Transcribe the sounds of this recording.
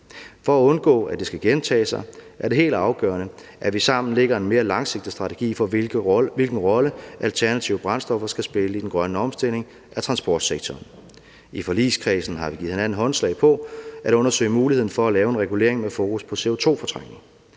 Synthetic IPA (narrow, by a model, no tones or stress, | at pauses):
fɒ̽æɔ̽nɡ̥ɔ̰̽ːæd̥e̝sɡ̥æɡ̥ent͡sʰɛ̰ːsɑ̈ɪʔæɐde̝ɦe̝̰ːld̥ɑ̈ʊɡ̥œ̰ːɐnə | ʔæʋisɑ̈m̰n̩leɡ̥ɐe̝nme̝ːɐlɑ̈ŋse̝ɡ̥̚d̥isd̥ʁɑ̈t͡sʰeɡ̥ḭːfɒ̥̽ʋilɡ̥n̩ʁɒ̽ləʔælt͡sʰæɐnæt͡sʰiʊəb̥ʁɑ̈nsd̥ɒ̽fɐsɡ̥æsb̥e̝ləid̥enɡ̥ʁɶnəɒ̽msd̥e̝l̰e̝ŋ | ʔæt͡sʰʁɑ̈nsb̥ɒːd̥seɡ̥̚t͡sʰɒːn | ifɒlḭːskʰʁisn̩ɦɑ̈ʋi̥ið̩ˠhenæn̩ˠɦɒ̽nslɛ̰ɪpʰɒ̽æɾɔ̽nɐsø̰ɪmuːlihe̝ð̞̰ˠn̩fɒ̽ælɛːʊe̝nʁɛɡule̝ɐeŋmefoːkuspʰɒ̽se̝o̝t͡sʰo̝̰ːfɒ̽t͡sʰʁɑŋ̰ŋ̩